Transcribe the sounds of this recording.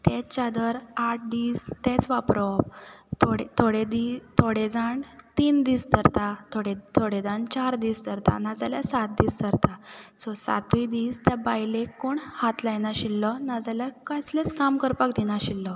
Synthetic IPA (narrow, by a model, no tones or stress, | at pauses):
t̪ɛt͡ɕad̪əɾaʈ̚ʰd̪iːst̪et͡sʋapɾɔp̚t̪ʰoɽet̪ʰoɽed̪it̪ʰoɽed͡zaɳt̪iːnd̪iːst̪əɾt̪at̪ʰoɽet̪ʰoɽed͡zaɳt͡ɕaɾd̪iːst̪əɾt̪a̰nad͡zaljasat̪̚d̪iːst̪əɾt̪asɔsa̰t̪ʋid̪iːst̪jabajlekoɳhat̪lajnaɕilːɔnad͡zaljakaslet͡skamkəɾpakd̪inaɕilːɔ